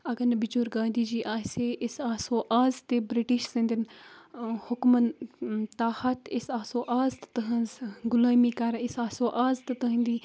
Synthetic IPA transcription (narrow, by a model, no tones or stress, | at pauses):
ɐɡɐnbit͡ʃuɾɡãːnd̪iːd͡ʒiːʔaːseʔɪsaːsoːʔaːzt̪ebɾiʈiʃsɐ̃nd̪in | hʊkmɐnt̪aːhɐt̪isaːsoːʔaːzt̪t̪ɐɦɐ̃nzɡʊlaːmikɐɾisaːsoːʔaːzt̪ɨt̪ɐɦĩnd̪iː